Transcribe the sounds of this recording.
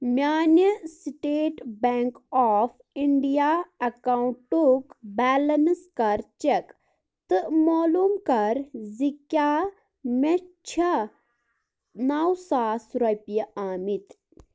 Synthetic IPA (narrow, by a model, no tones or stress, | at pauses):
mʲjaːnjɐsʈeːʈbɛŋkɔːf | iɳɖijaːɐkawuɳʈukbɛːlɐnskɐɾt͡ʃek | t̪ɨmoːlumkɐɾzikja | mɐt͡ʃʰɐ | naːwsaːsɾɐjpijɐʔaːmit̪